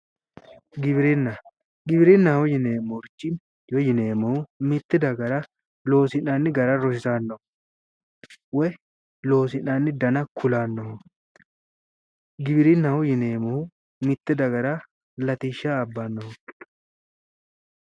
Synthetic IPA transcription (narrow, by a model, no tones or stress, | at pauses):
ɡɪβɪɾɪnːɐ | ɡɪbɪɾɪnːɐwʊjɪneːmːɔɾt͡ʃːɪn | jɔjɪneːmɔhʊmɪt̪ːɪd̪ɐɡɐɾɐ | lo̞ːsɪnanːɪɡɐɾɐɾɔs̬ɪsaːnːɔ | wɛ | lo̞ːs̬ɪnanːɪd̪ɐnɐkʰʊlaːnːɔh | ɡɪbɪɾɪnːɐwʊjɪneːmɔhʊ | mɪt̪ːɪd̪ɐɡɐɾɐ | lɐt̪iʃːaːbːaːnːɔhɔ